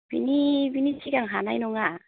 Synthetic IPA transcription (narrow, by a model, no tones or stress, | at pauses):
b̥ḭnibinit͡ʃiɡaŋɦanajnɔŋa